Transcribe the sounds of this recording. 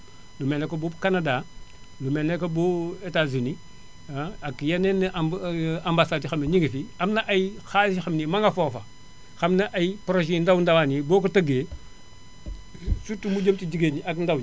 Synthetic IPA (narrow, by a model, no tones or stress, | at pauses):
lumenekobubkanada | lumenekobuetazini | akjanen | ambasadixamniɲiɡifiamnaʔajixaliʃixamnimaŋafofa | xamnaʔajipɾoʒendawndawanibokutaɡe | sutumud͡ʒemtid͡ʒiɡeɲiakndaw